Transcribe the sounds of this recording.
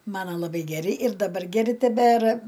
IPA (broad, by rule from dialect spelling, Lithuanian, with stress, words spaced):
ˈmɑːnɐ lˠɐˈbɐɪ ɡʲɛˈrʲɪ ɪr dɐˈbɐr ɡʲɛˈrʲɪ tʲɛˈbʲæːrɐ